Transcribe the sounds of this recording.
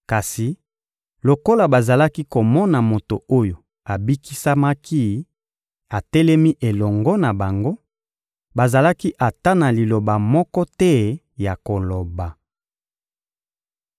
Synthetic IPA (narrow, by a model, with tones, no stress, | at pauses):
ka˨si˨ | lo˨ko˦la˨ba˨za˨la˦ki˦ko˨mɔ˦na˨mo˨to˨o˦jo˨ | a˨bi˦ki˦sa˦ma˦ki˦ | a˨tɛ˦lɛ˦mi˦ʔe˨lɔ˨ŋɡɔ˦na˨ba˨ŋɡo˦ | ba˨za˨la˦ki˦ʔa˨ta˦na˨li˨lo˨ba˨mɔ˦kɔ˦tɛ˦ | ja˨ko˨lo˨ba˨